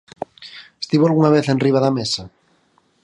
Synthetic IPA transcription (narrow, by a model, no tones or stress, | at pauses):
est̪iβoalɣunaβ̞eθenriβ̞aðamesa